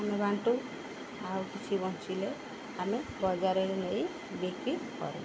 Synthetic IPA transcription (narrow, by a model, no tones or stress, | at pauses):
amebãɳʈu | awkit͡ʃʰibɔ̃nt͡ʃile | amebɔd͡ʒaɾenej | bekikɔ̰ɾṵ